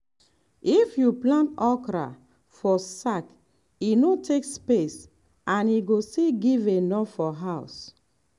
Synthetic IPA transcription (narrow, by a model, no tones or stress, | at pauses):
ifjuplãntɔkɾa̰ | fɔsak | inotʰekspes | ãniɡoseɡivenɔffɔɦaʊs